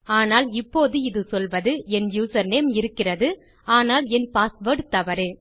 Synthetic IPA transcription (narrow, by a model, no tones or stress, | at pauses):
aːnaːlɪpːoːðɯɪðɯsɔlʋɐðɯɛnjuːsɐɾneːmɪɾɯkːɪrɐðɯ | aːnaːlɛnpaːsʋɐːʈt̪ɐʋɐɾɯ